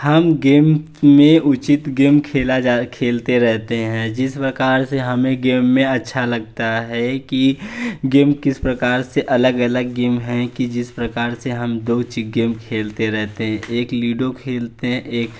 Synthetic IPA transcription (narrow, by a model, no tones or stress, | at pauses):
həmɡeːm | mẽʔʊt͡ʃɪt̪ɡeːmkʰeːlad͡ʒaːkʰeːlt̪eɾɛɦt̪eɦɛ̃d͡ʒɪspɾɐkaːɾseɦɐmẽɡeːmːẽɐtːʃʰalɐɡ̚t̪aɦɛkiɡeːmkɪspɾəkaːɾseʔɐləɡələɡːeːmɦɛ̃kid͡ʒɪspɾəkaːɾseɦəmd̪oːʊt͡ʃɪt̪̚ɡeːmkʰeːlt̪eɾɛɦt̪eɦɛ̃ʔeːkliːɖokʰeːlt̪eɦɛ̃ʔeːk